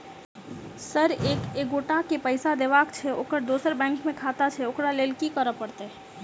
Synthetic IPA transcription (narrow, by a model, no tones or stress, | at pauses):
səɾekeɡoʈakepəjsad̪ebakt͡ʃʰɛo̰kəɾd̪osəɾbɛ̃ŋkmẽkʰat̪at͡ʃʰɛokɾalelkikəɾəpəɽt̪e